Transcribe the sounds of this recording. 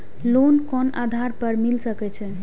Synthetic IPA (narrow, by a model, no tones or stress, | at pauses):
lonkɔna̰d̪ʱaɾpəɾmilsəkɛt͡ʃʰɛ